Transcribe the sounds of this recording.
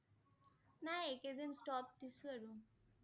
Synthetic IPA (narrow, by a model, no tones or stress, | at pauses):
naeked̪insʈɔːpt̪isuɐɾu